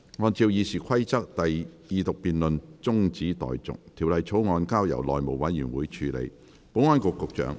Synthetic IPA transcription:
ŋɔː˧nt͡siː˧wjiː˨˧siː˨kʰɐ˥jt͡sɐ˥k̚t̪ɐ˨jjiː˨˧t̪ʊ˨k̚piː˨nlɵ˨nt͡sʊ˥ŋt͡siː˨˥t̪ɔ̰ː˨jt͡sʊ̰˨k̚t̪ʰi˨˩wlɐ˨jt͡sʰo˨˥wŋɔː˧nkaː˥wjɐ̰˨˩wlɔː˨jmo˨˩wwɐ˨˥njyː˨˩nwuː˨˥jt͡ʃʰyː˨˧lḛ˨˧j | po˨˥wŋɔː˥nkʊ˨kːʊ˨k̚t͡ʃœ̰ː˨˥ŋ

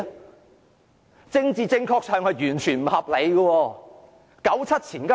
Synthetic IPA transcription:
t͡sɪ˧ŋt͡siː˨˧t͡sɪ˧ŋkʰɔː˧k̚sœː˨ŋhɐ˨˧jɥyː˨˩nt͡ʃʰyː˨˩nm̩˨˩hɐ˨p̚le˨˧jɡɐ˧wɔː˧ | kɐ˨˥wt͡sʰɐ˥t̚t͡sʰiː˨˩nka˥

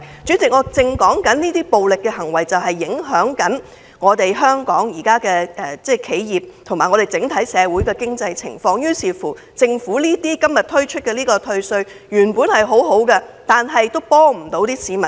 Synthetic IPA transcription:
t͡ʃyː˨˥t͡sɪ˨k̚ŋɔː˧t͡sɪ˧ŋkɔː˨˥ŋkɐ˨˥nniː˥t̪iː˥po˨wlɪ˨kːɛ˧ɦɐ˨˩ŋwɐ˨˩jt͡sɐ˨wɦɐ˨jːɪ˨˥ŋɦœː˨˥ŋkɐ˨˥n | ŋɔː˨˧t̪e˨jɦœː˥ŋkɔː˨˥ŋjiː˨˩kaː˥kɛː˧ɛ˨˩t͡sɛː˥kʰe˨˥jjiː˨p̚t̪ʰʊ˨˩ŋmaː˨˩ŋɔ˨˧ɾe˨˩jt͡sɪ˨˥ŋt̪ʰɐ˨˥jsɛː˨˧wuː˨˥jkɛː˧kɪ˥ŋt͡sɐ˧jt͡sʰɪ̰˨˩ŋfɔː˧ŋjyː˥siː˨˧fuː˨˩ | t͡sɪ˧ŋfuː˨˥niː˥t̪iː˥kɐ˥mjɐ˨t̪ʰɵ˥ɥt͡ʃʰɵ˥t̚kɛ˧liː˥kɔː˧t̪ʰɵ˧ɥsɵ˧ɥ | jyː˨˩npuː˨˥nhɐ˨jɦo˨˥wɦo˨˥wkɐ˧t̪aː˨nɦɐ˨jt̪o˥wpɔː˥m̩˨˩t̪o˨˥wt̪iː˥siː˨˥mɐ˨˩

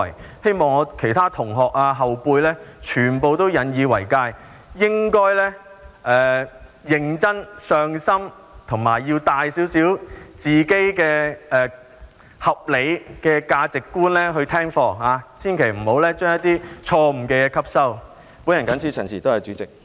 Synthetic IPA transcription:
jhe˥jmɔː˨ŋɔː˨˧kʰe˨˩jt̪ʰaː˥t̪ʰʊ˨˩ŋɦɔː˨˩k̚aː˧ɦɐ˨wpuː˧jlɛː˥t͡ʃʰyː˨˩npo˨˧wt̪o˥wjɐ˨˧˥njiː˨˧wɐ˨˩jkaː˧j | jɪ˥ŋkɔː˥jlɛː˥ʔɛː˨ | jɪ˨ŋt͡sɐ˥nsœː˨˧ŋsɐ˥m | t̪ʰʊ˨˩ŋmaː˨˩jji˧wt̪aː˨jsiː˨˥wsiː˨˥wt͡siː˨˩ke˥jkɛː˧ɛː˨˩ | hɐ˨p̚le˨˧jkɛː˧kaː˧t͡sɪ˨kːuː˥nlɛː˥ɦɵ˧ɥt̪ʰɛː˥ŋfɔː˧haː˨˧siː˥nkʰe˨˩jm̩˨˩ho˨˧˥wlɛː˥t͡ʃœː˥ŋjɐ˥t̪ːiː˥t͡ʃʰɔː˧m̩˨˩kɛː˧jɛː˧kʰɐ˥p̚sɐ˥w | pu˨˥njɐ˨˩nkɐ˨˥nsʰiː˥t͡ʃʰœː˨˩ŋsʰiː˨t̪o˥jɐ˨˧t͡ʃyː˨˥t͡sɪ˨k̚

